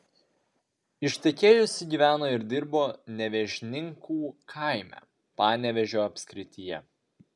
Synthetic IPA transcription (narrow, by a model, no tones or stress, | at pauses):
ɪʃʲt̪ʲɛkʲeːjʊsʲɪɡʲiːʋʲæːnoːɪɾd̪ʲɪɾboːnʲɛʋʲɛʒʲnʲɪŋkuːkʰɐˑɪmʲæ̰ː | pɑːnʲɛʋʲɛʒʲoːɐpʲsʲkɾʲɪt̪ʲɪjɛ